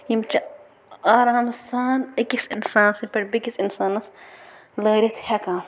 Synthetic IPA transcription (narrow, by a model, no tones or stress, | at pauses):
jimt͡ʃɐ | aːɾaːmsaːnekisinsaːnɐsimpɐɾbikisinsaːnɐs | lɐːɾʲɐt̪ʰhɐkãː